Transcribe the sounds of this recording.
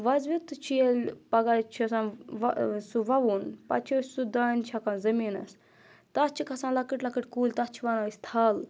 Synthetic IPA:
ʋɐzʋit̪ɨt͡ʃʰijelʲpɐɡat͡ʃʰisãːn | suʋɐʋunpɐ̰t͡ʃʰisud̪aːnt͡ʃʰɐkanzɐmiːnɐ̰s | t̪ɐt͡ʃʰikɐsãːlɐkɨʈlɐkɨʈʲkuːlʲt̪ɐt͡ʃʰiʋɐnast̪ʰaːl

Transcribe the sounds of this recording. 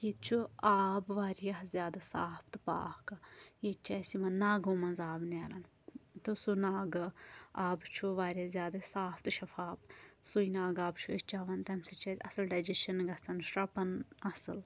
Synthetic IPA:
jett͡ʃʰuaːbʋaːɾjazʲjaːd̪asa̰ːpʰt̪pa̰ːkjet͡ʃɐsimɐnnaːɡomɐnzaːbneːɾɐn | t̪osunaːɡaːbt͡ʃʰuʋaːɾjazʲjaːd̪ɐsaːpʰt̪ʃɐfaːbsuinaːɡaːbt͡ʃʰuit͡ʃaːʋɐnt̪ɐmsit͡ʃɐsʲɐsɐlɖɐd͡ʒiʃɐnɡɐt͡sɐnʃɾɐpɐnɐsɨl

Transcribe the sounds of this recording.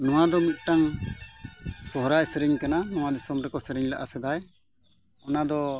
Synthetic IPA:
nɔwad̪ɔmit̪̚ˀʈaŋ | sɔɦɾajsɛɾɛɲkananɔwad̪isɔmɾɛkɔsɛɾɛɲlaʔasɛd̪aj | ɔnad̪ɔ

